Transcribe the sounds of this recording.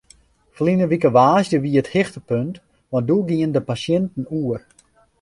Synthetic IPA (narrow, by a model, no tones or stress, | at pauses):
flinəʋikəʋaːsjəʋiəəthɪxtəpønt | ʋɔn̚duɡiəndəpasjɛntn̩uər